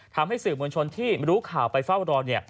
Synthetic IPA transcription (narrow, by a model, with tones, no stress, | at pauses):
t̪ʰa˧mɦa˥˩jsɯː˨˩mu˧nt͡ɕʰo˧nt̪ʰiː˥˩ɾuː˦˥kʰaː˨˩wpa˧jfa˥˩wɾɔː˧ni˥˩